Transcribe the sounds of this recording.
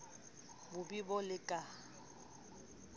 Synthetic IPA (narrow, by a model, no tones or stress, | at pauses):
bʊbibɔlɪkʼa